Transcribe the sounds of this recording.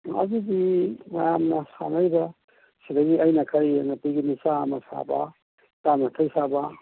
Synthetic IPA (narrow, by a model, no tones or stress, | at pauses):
ɐ̰zuɡimɐjamnɐsa̰ŋajbɐ | sidɐɡiɐjnɐkʰajnɐpiɡinisamɐsa̰bɐ̰ | tanɐkʰajsabɐ